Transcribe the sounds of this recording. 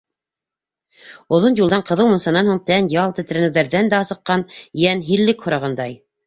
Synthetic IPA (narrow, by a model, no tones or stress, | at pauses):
ŏðonjulˠd̪ɑɴqɤ̆ðɤwmɤ̆nsɑnɑnhuɴt̪ænjɑlˠt̪ɘ̆t̪ɘ̆ɾænɘ̆wðæɾðænd̪æɑsɤ̆qːɑnjænɦiɾlːɘkhŏɾɑʁɤnd̪ɑj